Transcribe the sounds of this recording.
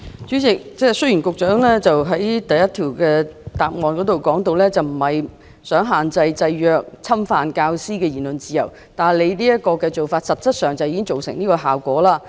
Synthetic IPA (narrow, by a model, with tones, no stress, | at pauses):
t͡sy˨˥t͡sɪ˨k̚t͡sɛː˥sɵ˥jyː˨˩nkʊ˨k̚t͡ʃœː˨˥ŋlɛː˥t͡sɐ˨wɦɐ˨˥jt̪ɐ˨jɐ˥t̪ʰiː˨˩wkɛː˧t̪aː˨p̚ŋɔː˨˧nkɔː˨˥t̪o˨wkɔː˨˥ŋt̪o˨˧wlɛː˥t͡sɐ˨wm̩˨˩hɐ˨j | sœː˨˥ŋɦaː˨˩nt͡sɐ˧jt͡sɐ˧jjœː˨˧k̚t͡sʰɐ˥mfaː˧nkaː˧wsiː˥kɛː˧jiː˨˩nlɵ˨nt͡siː˨˧jɐ˨˩w | t̪aː˨˩nle˨˧jniː˥jɐ˥t̚kːɔː˧kɛ˧t͡so˨wfaː˧t̚sɐ˨t̚t͡sɐ˥t̚sœː˨˩ŋt͡sɐ˨wjiː˨˧kɪ˥ŋt͡so˨wsɪ˨˩ŋniː˥kɔː˧ɦaː˨˩wkʷɔː˨˥laː˥